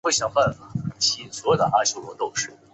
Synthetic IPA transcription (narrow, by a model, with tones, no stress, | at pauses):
wɪɕjɑ˨˩ŋfa˥˩nfa˨˩˨t͡ɕʰswɔ˧˥jo˨˩ʊd̪ə̰˧˩ʔa˥ɪɕʰjo˥˩ʊlwɔ˧˥t̪o˥˧ʊʂɻ̩˥˩